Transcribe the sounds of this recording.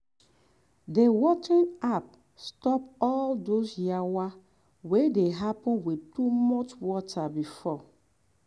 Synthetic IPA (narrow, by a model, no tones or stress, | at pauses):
dewɔt͡ʃĩnap̚ | stɔpɔldosjawa | wedeɦapɔ̃nwitumɔt͡ʃwɔtʰabifɔ